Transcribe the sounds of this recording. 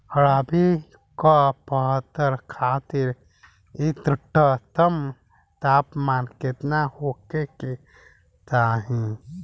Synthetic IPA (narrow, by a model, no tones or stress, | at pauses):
hɐɽaːbi | kapəɦt̪ːəɾkʰaːt̪ɪɾ | it̪ʈːət̪əm | t̪aːpmaːnkɪt̪nahoːkeke | t̪aːɦĩ